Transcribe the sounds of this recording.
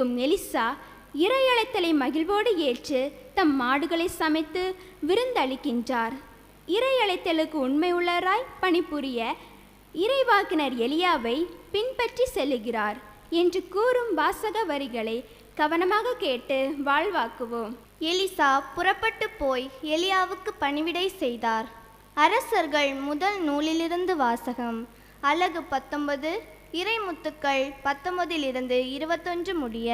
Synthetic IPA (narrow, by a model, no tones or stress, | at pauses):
ɯmɛlɪsaː | ɪɾɐjɐɭɐɪt̪ːɐlɐɪmɐɣɪlʋoːɽɯeːt͡ʃɯt̪ɐmːaːɽɯɣɐɭɐɪsɐmɐɪt̪ːɯ | ʋɪɾɯnd̪ɐɭɪkːɪndraːɾ | ɪɾɐjɐɭɐɪt̪ːɐlɯkːɯʊɳmɐɪɯɭːɐɾaːjpɐɳɪpːʊɾɪjɐ | ɪɾɐɪʋaːkɪnɐɾɛlɪjaːʋɐɪpɪnpɐʈrisɛlːɯɣɪraːɾ | ɛndrɯkuːɾɯmbaːsɐɣɐʋɐɾɪɣɐɭɐɪ | ɡ̥ɐʋɐnɐmaːɣɐkeːʈːɯʋaːɭʋaːkɯʋoːm | ɛlɪsaːpʊrɐpːɐʈːɯpːoːjɛlɪjaːʋɯkːɯpɐɳɪʋɪɽɐɪsɛjðaːɾ | ɐɾɐsɐɾɣɐɭmʊðɐlnuːlɪlɪɾɯnd̪ɯʋaːsɐɣɐm | ɐlːɐɣɯpɐt̪ːɔmbɐðɯ | ɪɾɐɪmʊt̪ːɯkːɐɭpɐt̪ːɔmbɐðɪlɪɾɯnd̪ɯɪɾɯbɐt̪ːɔndrɯmʊɽɪjɐ